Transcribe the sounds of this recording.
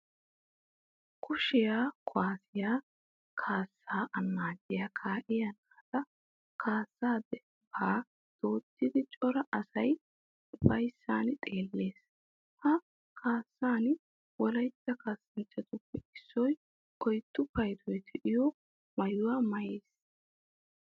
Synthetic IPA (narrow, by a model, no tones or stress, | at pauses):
kʰʊʃɪjaːkʰʊwaːsɪjaː | kʰaːsːaːʔɐnːaːdɪjaːkʰaːʔɪjɐnaːt̪ɐ | kʰaːsːaːd̪ɛ | baː | d̪̥oːt̪ːɪd̪ɪt͡ʃʼɔɾɐʔɐsɐj | bɐjsːaːnt̪ʼe̞ːlːeːs | hɐ | kʰaːsːaːn | wɔlɐjt͡sːɐkaːsːɐnt͡ʃːɐt̪ʊpːɛʔɪsːɔj | kɔjt̪ːʊpɐjt̪ɔjt̪ʰɛʔɪjɔ | mɐjʊwaːmɐjeːs